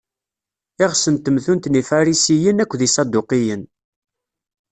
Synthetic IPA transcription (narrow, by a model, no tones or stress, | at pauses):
ɪʁsənt̪ːəmθunt̪nifɑɾisijənækʷːðisˤɑd̪uqijən